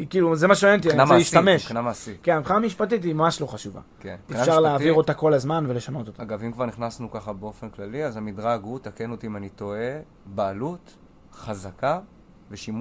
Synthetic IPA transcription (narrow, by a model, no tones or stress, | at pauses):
ikiluzemaʃeoent̪̬ianaejiʃt̪ameʃknamasikenamiχaːmiʃpatit̬imamaʃlo̞χaʃuva̰kenefʃaʁleaːvviʁo̞t̪ako̞lazmanve̞le̞ʃano̞t̪ot̪aaɡavimkvaʁniχnasnukaχabeo̞fenklaliazamid̪ʁaɡut̪akenot̪imanito̞e | baːlut | χazaka | veʃim